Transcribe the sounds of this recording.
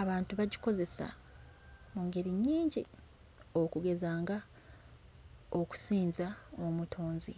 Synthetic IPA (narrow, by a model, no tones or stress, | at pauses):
aβaːntuβaɟiko̞ze̞sa̰ | muŋɡe̞ɾiɲːiːɲɟi | o̞kuɡe̞zaːŋɡa | o̞ku̥siːnzaomutʰoːnzi